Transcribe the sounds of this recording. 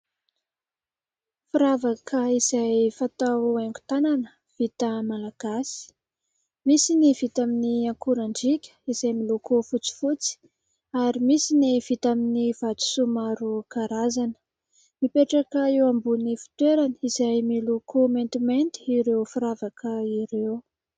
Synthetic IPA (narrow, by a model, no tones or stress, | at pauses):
fiɾavakʰəiz̥ajfat̪aaŋɡu̥t̪ananə | v̥it̪əmalaɡ̥asi̥ | misinivit̪aminiaŋkuɾaɳɖ͡ʐikʲə̥izajmilokofut͡si̥fut͡si̥ | aɾimisiniv̥it̪aminiv̥at͡su̥sumaɾukaɾazanə̥ | mipeʈ͡ʂakəewambunifi̥t̪weɾanəizajmilukʰument̪iment̪i̥ːɾewfiɾavakəiɾew